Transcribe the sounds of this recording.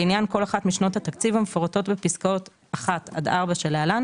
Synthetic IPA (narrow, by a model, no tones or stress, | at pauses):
injanko̞laχatmiʃnothat̪akt͡sivamefoʁato̞tbepiskaot | aχat̪a̰d̪aʁbaʃelalan